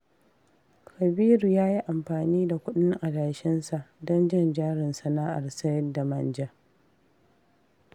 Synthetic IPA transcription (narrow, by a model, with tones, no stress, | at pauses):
kɐ˨biː˦ɾu˨jaː˦ji˦ʔa˨mɸaː˨niː˦da˨kʷʊ˦ɗɪ˦ŋʔa˨daː˨ʃɪ˦nsa˨ʔdɔ˦nd͡ʒɪ˦˨nd͡ʒaː˦ɾɪ˨nsɐ˨naː˦ʔa˨rsɐ˦jɛ˦da˨mɐ˦nd͡ʒa˦